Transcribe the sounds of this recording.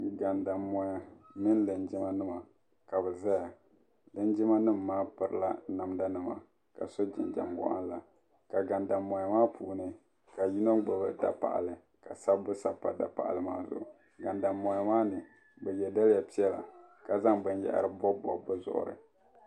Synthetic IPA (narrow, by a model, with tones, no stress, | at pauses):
ɡa˨nda˨mɔ˨ja˨mɨ˦nlɨ˨nd͡ʒɪ˦ma˦nɨ˦ma˨ | ka˨bɛ˨za˦ja˨ | lɨ˦nd͡ʒɪ˦ma˦nɨ˦˨mːaː˦pɨ˨ɾɨ˨˦la˦na˨mda˦nɨ˦ma̰˨ | ka̰˨so˦d͡ʒɪ̰˨nd͡ʒa̰˨mbɔ̰˦ʔa̰˦nla˨ | ka˨ɡa˨nda˨mːɔ˨ja˨maː˦pʰuː˨nɨ˦ | ka˨ju˦no˦ɡ͡ba˨bɨ˦da̰˨pa̰˨ʔa̰˨lɨ˨ | ka˨sa˦bbʊ˦sa˦pa˦da̰˨pa̰˨ʔa̰˨lɨ˦maː˦zʊ̰˨ʔʊ̰˨ | ɡa˨nda˨mːɔ˨ja˨maː˦nɨ˨ | bɛ˨jɛ˨da˦lɪ˦ja˨pi˦ɛ˦la̰˨ka˨za˦ŋbɨ˦njɛ̰˨ʔa̰˨ɾɨ˨bɔ˦bɔ̰˨bɨ˦zʊ̰˨ʔʊ̰˨ɾɨ̰˨